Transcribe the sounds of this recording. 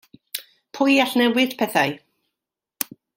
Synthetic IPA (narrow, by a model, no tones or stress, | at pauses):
pʰʊjaɬnɛwɪd̥pʰɛθaj